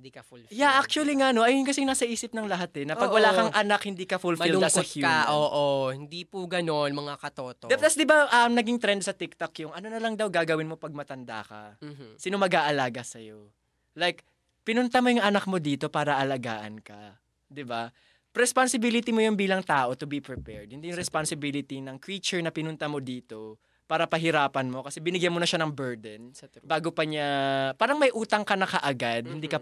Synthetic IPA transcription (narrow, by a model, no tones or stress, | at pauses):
d̪ikɐljaʔak̚t͡ʃuɐliŋano̞ʔɐjʊnkɐsɪŋaːsɐʔiːsɪp̚nɐŋlɐɦat̪ɛnɐpɐɡwɐlaːkɐŋʔɐnakhɪnd̪iːkɐfulfɐilɐsɐkjuʔoːʔohɪnd̪ipuɡɐnonmɐŋakɐt̪oːt̪od̪ɛt̪ɐsd̪ɪbaʔɐmnɐɡiŋt̪ɾɛnd̪̚sɐt̪ɪk̚t̪ɐkjʊŋʔɐno̞nɐlɐŋd̪ɐwɡaːɡɐwɪnmo̞pɐɡ̚mɐt̪ɐnd̪a̰kɐ̰sinomɐɡaːʔɐlaːɡɐsɐjo̞ | lajk̚ | pɪnʊnt̪amojʊŋɐnak̚mo̞d̪iːt̪o̞paːɾɐʔɐlɐɡa̰ːʔɐ̰nkɐ | d̪ɪba | pɾɛspansɪbilɪt̪imojʊnbiːlɐŋt̪aːʔo̞t̪ʊbipɹɪpɛɹd̪̚hɪnd̪ijʊŋɾɛspansɪbilɪt̪inɐŋkɹiːt͡ʃʊɹnɐpɪnʊnt̪ɐmo̞d̪iːt̪o̞ | paːɾɐpɐɦɪɾaːpɐnmo̞kɐsɛbɪnɪɡjanmonɐʃanɐŋbɛɹd̪ɛnbaːɡo̞pɐɲapaːɾɐŋmɐjʔuːt̪ɐŋkɐnɐkɐʔɐɡad̪̚hɪnd̪iːkɐ